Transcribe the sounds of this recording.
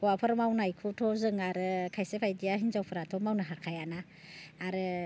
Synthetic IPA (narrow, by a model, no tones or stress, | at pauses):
ɔwapʰɯɾmawnajkʰutʰɔzɯŋaɾɯkʰajsepʰajdijaɦinzawpʰɯɾatʰɔmawnaɦakʰajanaː | ɾɯ